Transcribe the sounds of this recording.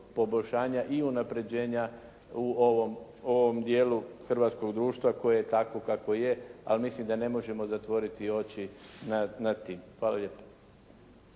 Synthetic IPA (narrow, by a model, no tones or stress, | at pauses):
po̞bo̞ʎʃaːɲaʔiunapɾe̞d͡ʑe̞ːɲa | uo̞ʋom | o̞ʋomd̪je̞ːluxr̩ʋaːt̪sko̞ɡd̪ɾuːʃt̪ʋako̞jejet̪ako̞kako̞je̞a̰lmislimd̪ane̞mo̞ʒe̞mo̞zat̪ʋo̞ɾit̪io̞t͡ɕinanad̪t̪ːiːmxʋaːlalʲʎjeːpḁ